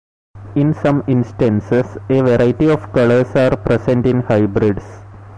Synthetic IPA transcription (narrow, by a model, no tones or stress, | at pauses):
ɪ̃nsʌ̃mɪ̃nsʈə̃nseseːʋeɾaɪʈiɔːʋkʌləɾsaːɾpɾesẽɳʈɪ̃nhaɪbɾɪɖs